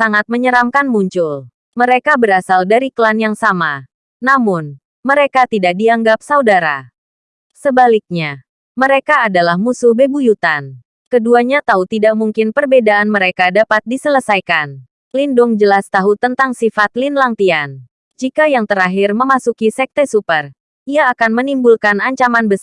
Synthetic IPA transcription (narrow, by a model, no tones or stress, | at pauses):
saŋat̪̚məɲəɾamkanmuɲt͡ʃʊl | məɾekabəɾasaldaɾikəlanjaŋsama | namʊn | məɾekat̪idak̚diaŋɡap̚saudaɾa̰ | səbalik̚ɲa | məɾekaːdalahmusuhbebujut̪an | kəduaɲat̪aut̪idaʔmuŋkɪnpərbedaʔːnməɾekadapat̪̚disələsajkan | lindʊŋd͡ʒəlast̪aɦut̪ənt̪aŋsifat̪linlaŋt̪ian | d͡ʒikajaŋt̪əɾaɦirməmasukisɛk̚t̪esupər | ʔiaːkanmənimbulkanaɲt͡ʃamanbəs